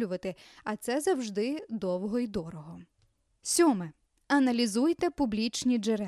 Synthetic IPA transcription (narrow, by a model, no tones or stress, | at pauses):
lʲʊʋɐt̪ɪɐt̪sɛzɐwʒd̪ɪd̪ɔwɦɔid̪ɔɾɔɦɔ | sʲɔmɪ | ɐnɐlʲizujt̪ɛpʊblʲit͡ʃnʲid͡ʒeɾɛ